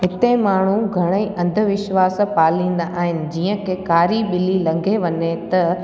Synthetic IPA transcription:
ɦɪt̪emaːɳ̤̃uɡʱɐɽ̃eiʔɐ̃nd̪ʱəʋɪʃʋaːspaːlĩːnd̪aʔaːɦɪnɪ̆d͡ʑiːə̃kʰeːkaːɾiɓɪlilɐ̃ŋɡʱeʋɐɲet̪ɐ

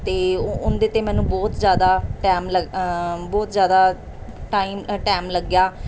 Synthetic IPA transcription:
t̪eːʊnd̪eːt̪eːmɛ̃ːnũːbɔːt̪zjaːd̪aːʈɛːmləbɔːt̪zjaːd̪aː | ʈaːiːmʈɛːmləɡjaː

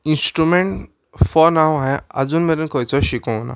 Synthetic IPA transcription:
ĩnsʈɾumeɳʈ | fɔɾnawɦãja̰d͡zuːnmeɾenkɔjt͡sɔɕikɔ̃na̰

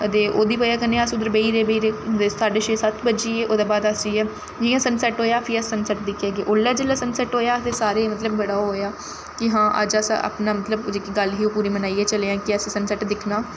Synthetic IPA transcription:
ət̪eːʔoːd̪iːpəjaːkəneːəsʊd̪əɾbəiːɾeːbəiːɾeːd̪esaːɖeːʃeːsət̪ʰbəd͡ʒiːeːʔoːd̪aːbaːd̪asiːɛː | d͡ʒɪãːsənsɛʈɦoːjaːfʰɪəsənsəʈd̪ɪkʰjaːɡeːʔoːlːaːd͡ʒəlːaːsənsɛʈɦoːjaːət̪eːsaːɾeːmət̪ləbʋəɽaːɦoːjaː | kɪɦãːʔə̰d͡ʒəsa̰ʔə̰pnaːmət̪ləbd͡ʒeːkiɡəlɦiːoːpuːɾiːmənaːiːɛːt͡ʃəleːãːkɪəsesənsəʈd̪ɪkʰnaː

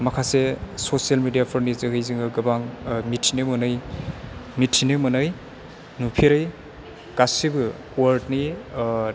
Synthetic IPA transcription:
mɐkʰasesosialmidijapʰɯɾnizɯɦɯjziŋɯɡɯbaŋmitʰinɯmunɯj | mitʰinɯmɯnɯj | nupʰiɾɯj | kasibɯkuwaɾtni

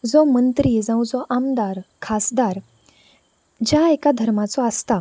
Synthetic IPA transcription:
d͡zɔmənt̪ɾid͡zãw̃d͡zɔʔamd̪aɾkʰasd̪aɾ | d͡ʑjaekad̪ʱəɾmat͡sɔəst̪a

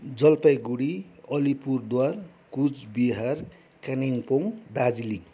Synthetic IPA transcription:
d͡zʌlpajɡuɽiʌlipurd̪warkud͡zbiɦar | kaniŋpoŋd̪ad͡zili

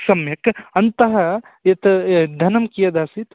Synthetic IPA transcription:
sɐmjɐkɐnt̪ɐɦɐ | jɐt̪d̪ʱɐnɐmkijɐd̪asit̪

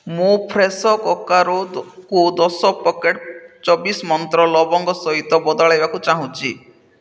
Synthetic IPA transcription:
mũpʰɾesɔkɔkaɾokud̪ɔsɔpɔkeʈt͡ʃɔbismɔnt̪ɾɔlɔbɔŋɡɔsɔɦit̪ɔbɔd̪ɔɭajbakut͡ʃaɦũt͡ʃʰi

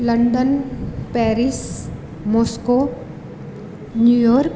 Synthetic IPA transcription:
ləɳɖənpɛːɾis | moːsko | njujoːɾk

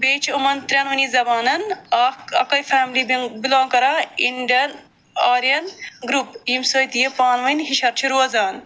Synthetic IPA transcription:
beːt͡ʃʰomɐnt̪ɾʲanʋɐnizɐbaːnɐnaːkɐ̰kɐjfʰaːmilibilõːŋkɐɾaiɳɖiɐn | aːɾijɐnɡɾupiːmsɐːjt̪ijepaːnʋɐjnɦiʃɐɾt͡ʃʰiɾuɐzaːn

